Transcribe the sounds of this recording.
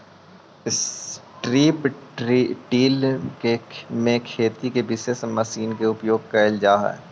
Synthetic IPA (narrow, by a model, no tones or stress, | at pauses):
ɪs | ʈɾiːp | ʈiːlkemẽkʰeːt̪ikebɪsesmɐsiːnkeʊpjoːɡ̚kɐɪld͡ʒaːɦɛ̰ː